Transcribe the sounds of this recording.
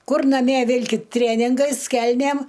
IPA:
ˈkʊr nɐˈmʲiɛ ˈʋʲɪlʲkʲɪt ˈtʲrʲeːnʲɪŋɡɐɪs ˈkʲɛlʲnʲeːm

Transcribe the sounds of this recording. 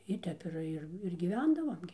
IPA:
ɪ ˈtʲɛp ɪr ˈɪr ɪr ɡʲiːˈʋʲɛndɐʋoːm ɡʲɪ

